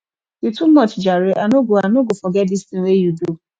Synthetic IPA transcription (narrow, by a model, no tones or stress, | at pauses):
jutumɔt͡ʃd͡ʒaɾeʔanoɡoanoɡofɔɡɛt̚distɪ̃wejudu